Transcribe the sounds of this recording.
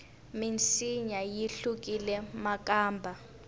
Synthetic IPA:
mint͡sʰʼiɲajiɬuk̬ʼilɛmak̬ʼaːmbʱa

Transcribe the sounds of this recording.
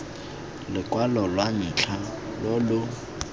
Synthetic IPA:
lɪkʼwalɔlwaɲ̩t͡ɬʰalolʊ

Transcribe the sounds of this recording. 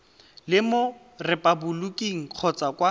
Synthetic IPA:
lɪmo | rɛpʼabulukʼiŋ̩q͡χʰɔt͡sakʼwa

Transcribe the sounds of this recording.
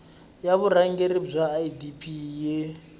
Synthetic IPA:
jaβuɾaŋɡeɾib͡ʐʷaːidipʰʼiːjɛ

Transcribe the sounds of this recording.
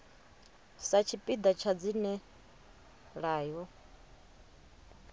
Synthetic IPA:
sat͡ʃʰipʼid̪at͡ʃʰad͡zinɛ | ɺaːjɔ

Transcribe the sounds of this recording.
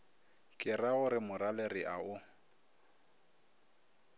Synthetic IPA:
kʼɪraʊɾɪmʊɾalerɪʔaʊ

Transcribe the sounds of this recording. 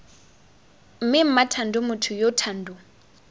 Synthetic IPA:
m̩mɪm̩matʰandʊmʊtʰʊjotʰaːn̩dʊ

